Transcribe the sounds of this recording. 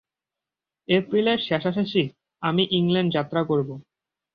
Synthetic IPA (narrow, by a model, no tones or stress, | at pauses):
epɾileɾʃɛʃaʃaʃi | amiʔiŋleɳɖd͡ʑat̪ːɾakoɾbo